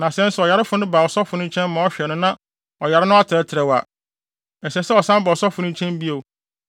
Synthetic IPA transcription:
nã˨sɛ̃˦n̩˦sʊ˨ɔ˨ja˨ɾɪ˦fʊ˨˦nʊ̃˦ba˨ɔ˨sɔ˦fʊ˨nʊ̃˦t͡ɕʰɛ̃˦n˦mã˨˦ɔ˦ɕᶣɛ˨nʊ̃˦nã˦ | ɔ˨ja˨ɾɪ˦nʊ̃˦a˦tʰɪ˨ɾɛ˦tʰɪ˨ɾɛ˨wa̰˨ | ɛ˨sɛ˨sɛ˦ɔ˨sã˦ba˨ɔ˨sɔ˦fʊ˨˦nʊ̃˦t͡ɕʰɛ̃˦mbi˦o˨

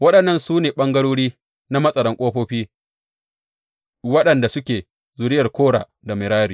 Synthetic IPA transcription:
wɐ˦ɗɐ˨nːɐ˦˨nsuː˦neː˨ɓɐ˦ŋɡɐ˦ɽoː˦ɽiː˦ | na˦mɐ˦sʼɐ˨ɾɐ˦ŋkʷʼoː˦ɸoː˦ɸiː˦ | wɐ˦ɗɐ˨nda˨sʊ˦kʲeː˨ | zʊ˨ɽɪ˦jɐ˨rkʷoː˦ɽa̰ː˨ | da˨mɪ˨ɾaː˦ɾiː˨

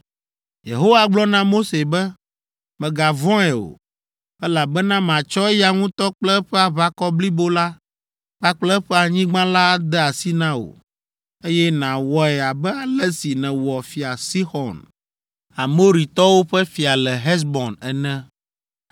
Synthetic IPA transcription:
jḛ˨ɦo˦wa˨ɡ͡blɔ˦nã˦mo˦se˨bɛ˦ | mɛ̃˨ɡa˨vɔ̃˦ɛ˨o̰˨ | ɛ˦la˨bɛ˦nã˦m˨ã˨t͡ʃɔ˦ɛ˦ja˨ŋũ˦t̪ɔ˦k͡plɛ˦ɸɛ˦a˨βa˦kɔ˦bli˦bo˦la˦ | ɸa˦k͡plɛ˦ɸɛ˦a˨ɲĩ˦ɡ͡bã˦la˦d̪ɛ˦a˨si˦nã˦o̰˨ | e˦jɛ˦nã˨wɔ˨ɛ˨a˨bɛ˦a˨lɛ˦si˨nɛ̃˨wɔ˨fi˨a˨si˦xɔ˨n | a˨mo˦ɾi˨t̪ɔ˦wo˦ɸɛ˦fi˨a˨lɛ˨ɦɛ˦s̬bɔ̃˨nɛ˨nɛ̃˦

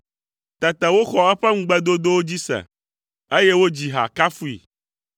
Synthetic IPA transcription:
t̪ɛ˨t̪ɛ˨wo˦xɔ˦ɛ˦ɸɛ˦ŋ̩̃˦ɡ͡bɛ˦d̪o˦d̪o˦wo˦d͡ʑi˦sɛ̰˨ | e˦je˦wo˦d͡ʑi˨ɦa̰˨ka˦fu˦ḭ˨

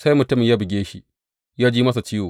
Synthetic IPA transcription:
sa˦jmʊ˨tʊ˦mɪ˨jaː˦bɪ˨ɡʲeː˦ʃḭ˦ | jaː˦d͡ʒiː˦mɐ˦s̬a˨t͡ʃiː˦woː˨

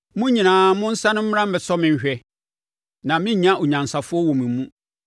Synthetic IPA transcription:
mʊ̃˦ɲĩ˨nãː˨˦mʊ̃˦n̩˦sã˦nʊ̃˦m̩˦m˦ɾã˦m̩˦bɛ˨sɔ˦mɪ̃˦ɲ˦ɕᶣɛ˦ | nã˨mɪ̃˦ɲ˦ɲã˦ʔo˨ɲã˨n˨sa˨fʊ˦ɔ˦wɔ̃˨mɪ̃˨m˦mũ˦

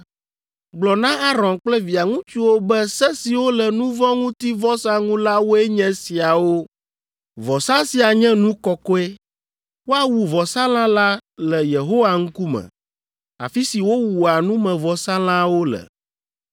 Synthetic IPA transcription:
ɡ͡blɔ˨nã˦a˦ɾɔ̃˨nk͡plɛ˦vi˨a˨ŋũ˦t͡ʃi˦wo˦bɛ˦sɛ˦si˨wo˦lɛ˨nũ˦vɔ̃˦ŋũ˦t̪i˦vɔ˦sa˦ŋũ˦la˦wo˦ɛ˦ɲɛ̃˦si˨a˨wo˦ | vɔ˨sa˦si˨a˨ɲɛ̃˦nũ˦kɔ˨kɔ˦ɛ˦ | wo˦a˨wu˨vɔ˨sa˦lã˦la˦lɛ˨je˨ɦo˦wa˦ŋ̩˦ku˦mɛ̰̃˨ | a̰˨fi˦si˨wo˦wu˨a˨nũ˦mɛ̃˨vɔ˨sa˦l̃ã˦wo˦lɛ̰˨

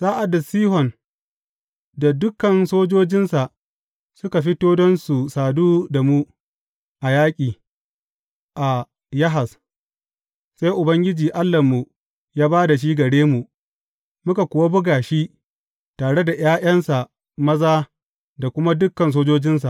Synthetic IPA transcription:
saː˦ʔa˨da˨siː˦ɦɔ˨n | da˨dʊ˦kːɐ˨nsoː˦d͡ʒoː˦d͡ʒɪ˦nsa˨ʔ | sʊ˦ka˨ɸɪ˦toː˦dɐ˦nsu˨saː˨duː˦da˨mu˦ | ʔa˨jaː˦kʲʼiː˨ | ʔa˨ | jɐ˦ɦa˨s | sa˦jʔʊ˨bɐ˦ŋɡʲɪ˦d͡ʒiː˨ʔa˦lːɐ˨mːu˨ | jaː˦baː˦da˨ʃ̬iː˦ɡɐ˨ɽeː˦mu˨ʔ | mʊ˦ka˨kʷʊ˨wa˦bʊ˦ɡaː˨ʃi˦ʔ | taː˨ɽe˦da˨j̰aː˦j̰ɐ˦nsa˨ | mɐ˦zaː˦ | da˨kʷʊ˦ma˦dʊ˦kːɐ˨ns̬oː˦d͡ʒoː˦d͡ʒɪ˦ns̬a˨ʔ

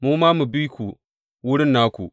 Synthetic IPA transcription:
mu˦ma˦mu˨bi˦ku˨ | wu˦ɽi˦nːa˦kṵ˨

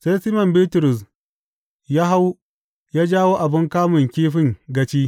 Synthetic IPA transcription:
se˦jsi˦mɐ˨mbiː˦tʊ˨ɾʊ˨s | jaː˦ɦa˦w | jaː˦d͡ʒaː˦woː˦ʔa˨bɪ˦ŋkaː˦mʊ˨ŋkʲiː˦ɸɪ˦ŋɡɐ˦t͡ʃiː˦

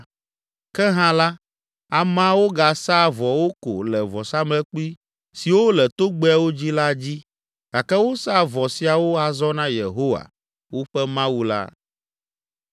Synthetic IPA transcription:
kɛ˦ɦã˦la˦ | a˨mã˦wo˦ɡa˨sa˦vɔ˨wo˦ko̰˨lɛ˨vɔ˨sa˦mlɛ˦k͡pi˦ | si˨wo˦lɛ˨t̪o˦ɡ͡be˦ɛ˦wo˦d͡ʑi˦la˦d͡ʑi˦ | ɡ̥a˨kɛ˦wo˦sa˦˨vɔ˨si˨a˨wo˦a˨zɔ˦nã˦je˨ɦo˦wa̰˨ | wo˦ɸɛ˦mã˦wu˦la̰˦

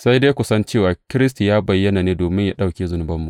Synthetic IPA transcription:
sa˦jda˦jkʷʊ˨sɐ˦nt͡ʃeː˦˨waː˨kʲɪ˦ɾɪ˦s̬tu˨jaː˦bɐ˨jːɐ˦naː˨neː˦doː˨mɪ˦ɲja˦ɗa˦˨wkʲeː˦zʊ˦nʊ˦bɐ˦mːu˨ʔ

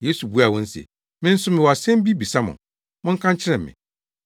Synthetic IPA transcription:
je˦su˨bu˦a˨wɔ̃˦n̩˦sɛ̰˨ | mɪ̃˦n̩˦sʊ˦mɪ̃˨wɔ˨a˨sɛ̃˦m˦bi˦bi˨sa˦mʊ̰̃˨ | mʊ̃˦ŋ̩˦kʰã˦ɲ˦t͡ɕʰɪ˦ɾɛ̃˨m˨mɪ̰̃˨

